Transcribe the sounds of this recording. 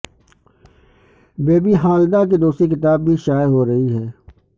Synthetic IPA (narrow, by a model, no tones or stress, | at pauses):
beːbiɦaːld̪ak̬ed̪oːsikɪt̪aːbːʱiʃaːjɦoɾɐɦiɦɛː